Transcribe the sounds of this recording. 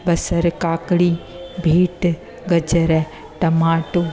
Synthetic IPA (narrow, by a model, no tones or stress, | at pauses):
bɐsɐɾkaːkɽiː | bʱiːʈ | ɡɐd͡ʒəɾɛ | ʈ̪ɐmaːʈoː